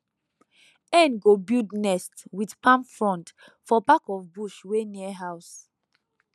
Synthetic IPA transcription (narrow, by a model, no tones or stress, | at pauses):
ɛ̃nɡobildnɛstwidpãmfɹɔ̃nt | fɔpakɔfbuʃweniɛɦaʊs